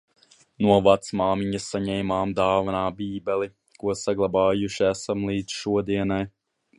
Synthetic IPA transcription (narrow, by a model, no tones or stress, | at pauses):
nuɔvat̪smaːmiɲɐsːaɲɛjmaːmd̪aːvanaːbiːbɛlˠi | kuɔsaɡlˠabaːjuʃiæsamlˠiːd̪z̥ʃuɔd̪iɛnaj